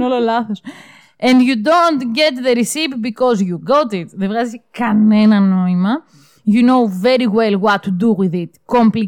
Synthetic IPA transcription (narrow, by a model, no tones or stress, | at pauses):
ololaθos | ẽndjud̪õnt̪ɡet̪ðeɾisipbikozjuɡot̪it̪ðevɣazikɐnenɐnoimɐ | junowveɾiwelwɐt̪ːud̪uwiðit̪kõmpli